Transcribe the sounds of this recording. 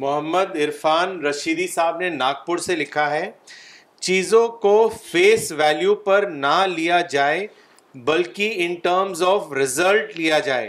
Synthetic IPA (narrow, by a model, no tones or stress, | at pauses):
mʊɦəmːəd̪ɪɾfaːnɾɐʃiːd̪isaːɦbnenaːɡ̚pʊɾselɪkʰaɦɛː | t͡ʃiːzõkofeːsʋɛːljupɐɾnɐlijad͡ʒaːe | bɐlkiɪnʈəːɾmzɔːfɾɪzəlʈlijad͡ʒaːḛː